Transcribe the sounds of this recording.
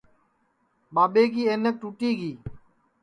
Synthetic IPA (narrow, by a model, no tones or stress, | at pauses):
ɓaːɓeːk̬iːeːnek̚ʈuːʈiːɡiː